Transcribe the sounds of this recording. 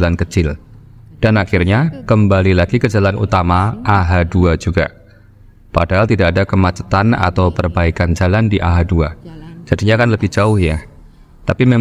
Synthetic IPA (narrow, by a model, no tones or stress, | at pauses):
lankət͡ʃɪl | d̥anaxɪrɲakəmbalilaɡikəd͡ʒalanṵt̪amaʔaɦaduad͡ʒuɡa̰ | padaɦalt̪idakːdakəmat͡ʃə̥t̪ana̰t̪awpərbaikand͡ʒalandiʔa̰ɦaduad͡ʒadiɲakanləbɪhd͡ʒaʊhja | t̪apime